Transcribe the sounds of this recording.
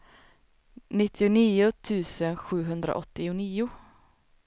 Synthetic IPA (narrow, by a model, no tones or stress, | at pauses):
nɪt̪ʰːɪʊniːʊt̪ʰʉ̟ːsənɧʉ̟ːɦɵnd̪ɾa̰ʔɔt̪ːɪʊniːʊ